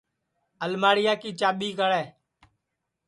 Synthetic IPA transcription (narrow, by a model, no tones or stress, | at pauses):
əlmaːɽɪjaːkiːt͡ʃaːɓiːkəɽɛː